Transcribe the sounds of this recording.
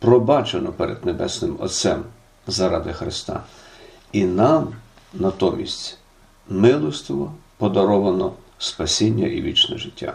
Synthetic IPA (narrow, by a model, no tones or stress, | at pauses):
pɾɔbɑt͡ʃenɔpɛɾɛ̰d̪nebɛ̰snɪmɔ̰t̪sɛm | zɐɾɑd̪ɪxɾɪst̪ɑ̰ | inɑm | nɐt̪ɔmʲisʲtʲ | mɪlˠɔst̪ɪʋɔpɔd̪ɐɾɔʋɐnɔ | spɐsʲinʲːɐ̰ʔiʋʲit͡ʃnɛ̰ʒɪtʲːa̰